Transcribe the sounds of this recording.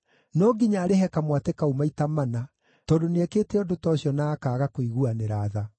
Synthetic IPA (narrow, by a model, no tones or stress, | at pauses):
nɔɡiɲaːɾeɦɛkamwatekaumaitamana | tɔːdoneɛkeːtɛɔdotɔːɕjɔnaːkaːɣakoiɣuaneɾaða